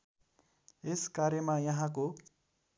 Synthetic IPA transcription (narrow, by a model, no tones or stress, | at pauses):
eskaɾjʌmajʌɦãko